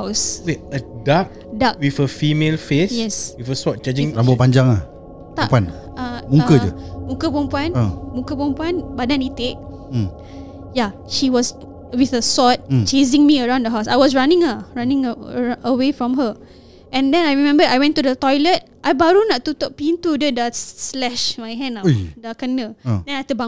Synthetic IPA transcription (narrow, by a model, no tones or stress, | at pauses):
aswiədak̚ | dak̚wifəfimelfesjɛswifəsɔt̚t͡ʃad͡ʒɪ̃ŋɾabɔpaɲd͡ʒaŋah | t̪apuan | mũŋkəd͡ʒə̰mũkəpɔmpuãnəmũkəpɔ̃mpuanbadanit̪eʔ̩̚ | ja | ʃiwɔs | wiθəsɔt̚t͡ʃesɪ̃ŋmiəɹãw̃ndəɦawsajwɔsɹanɪ̃ŋəɹanɪ̃ŋəwefɹɔ̃mɦə | ɛ̃ndɛ̃najɹimɛ̃mbədajwɛ̃ntudət̪ɔjlət̚ʔajbaɾunaʔt̪ut̪ɔʔ̚pint̪udədaslɛʃmajɦɛ̃najdakənə̃dɛ̃najt̪əbã